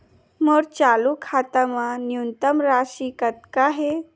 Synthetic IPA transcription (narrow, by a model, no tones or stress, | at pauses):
məɽt͡salukʰat̪əmanjunt̪əmɾaɕiːkət̪̚kaɦe